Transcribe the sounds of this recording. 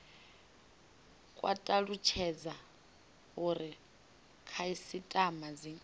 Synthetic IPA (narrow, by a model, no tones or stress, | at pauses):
kʼwa̰tʼaɺut͡ʃʰɛd͡za | uɾi | kʰaisitʼamad͡zi